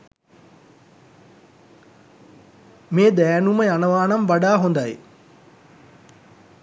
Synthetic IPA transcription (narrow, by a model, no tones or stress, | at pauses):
meːd̪ɛːnuməjanəʋaːnamʋaɖaːɦond̪aj